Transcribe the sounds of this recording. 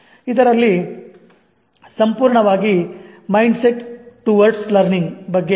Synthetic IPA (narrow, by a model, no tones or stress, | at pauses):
id̪ɐɾɐlːi | sɐmpuːɾɳɐʋaːɡimɐjɳɖseʈʈuʋɐɾʈslɐɾniŋɡbɐɡːe